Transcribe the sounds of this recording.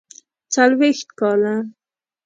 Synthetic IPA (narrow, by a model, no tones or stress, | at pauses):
t͡salwext̪kɑla